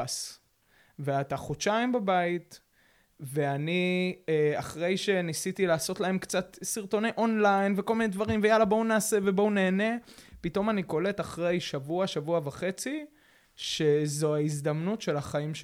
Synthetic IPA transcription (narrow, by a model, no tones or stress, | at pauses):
as | veataχoʃaimbabait̪ | ve̞anieaχʁe̞jʃe̞nisit̪ilaːso̞tlae̞mkt͡satsiʁt̪o̞neʔo̞nlajnveko̞lmined̪vaʁimvejalabo̞unaːse̞ve̞bo̞une̞ːne̞pito̞maniko̞le̞taχʁe̞jʃavuaʃavuavaχe̞t͡si | ʃe̞zoaizd̪amnutʃe̞laχaimʃ